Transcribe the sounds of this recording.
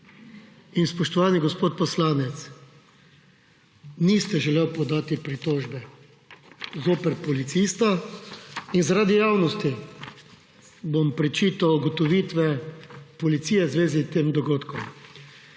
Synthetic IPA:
inspɔʃt̪ɔʋaːniɡɔspoːt̪̚pɔslaːnɛt̪s | nist̪ɛʒɛleːwpɔd̪aːt̪ipɾit̪oːʒbɛ | zoːpɛɾpɔlit̪sist̪a | inzaɾaːd̪ijawnɔst̪i | bompɾɛt͡ʃiːt̪awuɡɔt̪ɔʋit̪ʋɛpɔlit̪siːjɛzʋeːzit̪eːmd̪ɔɡoːt̪kɔm

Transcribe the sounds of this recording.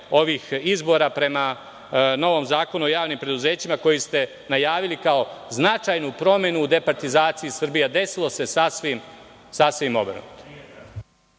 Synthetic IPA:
o̞ʋixizbo̞ːɾapɾe̞ma | no̞ʋo̞mzaːko̞nuojaːʋnimpɾe̞d̪uze̞ːt͡ɕimako̞jist̪e̞ | najaːʋilikao̞znat͡ʃajnupɾo̞me̞nuːd̪e̞paɾt̪izaːt̪sijisrbijad̪e̞silˠo̞se̞sasʋim | sasʋimo̞̰bɾa̰nṵt̪o̥m

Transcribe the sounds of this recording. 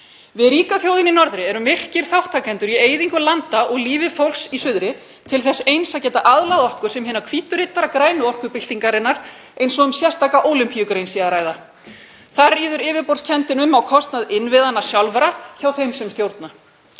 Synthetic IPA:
vɪðɾiːkaθjowðɪninɔɾðɾɪɛɾʏmɪr̥cɪɾ̥θawht̪ʰakʰɛnt̪ʏɾieːjðiŋkʏlant̪aʔɔɣliːvɪfowlsisʏðɾɪ | t̪ʰɪlθɛsːejnsaðcɛːt̪aʔaðlaðɔhkʏɾ̥sɛmɦɪːnakʰviːt̪ʏɾɪt̪aɾakɾaːjnʏɔhkʏpɪl̥t̪iŋkaɾɪnːaɾ̥ | ejnsɔʏmsjɛr̥st̪aːkaʔoːwlʏmpijʏkɾejnsiaɾaːjða | θaɾiːðʏɾɪːvɪpɔr̥scʰɛnt̪ɪnʏmawkʰɔst̪naðɪnvɪðanːḁsjawlvɛɾaçawθejmsɛmst̪jowɾt̪na

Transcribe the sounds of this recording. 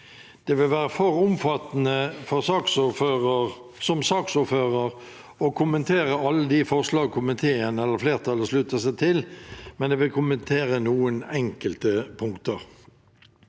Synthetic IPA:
d̪̥eːʋɪlʋæːʁəfɔɾʊmfɑt̪ːnəfɔʁsɑːksføːʁəʁ | sɔmsɑːksʊːɾføːʁəʁ | ɔkʰʊmənt̪ʰeːɾəɑlːəd̪ɪfɔʁʂlɑːɡkʰʊmɪt̪ʰeːənəɛlːəɾfleːʁt̪ʰɑləʂlʉːt̪əsæɪt̪ʰɪlmɛnd̪eːʋɪlkʰʊmənt̪ʰeːɾənuːənɛŋkəlt̪əpʰʊŋkt̪əʁ

